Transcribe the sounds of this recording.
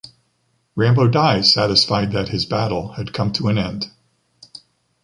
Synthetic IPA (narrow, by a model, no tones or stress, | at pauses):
ɹæ̃mboʊdaɪsæɾɨsfaɪd̪̚ðɨt̚hɨzbæɾl̩ˠɨd̚kʰʌ̃mtʰəɨ̃nɛ̃nd̥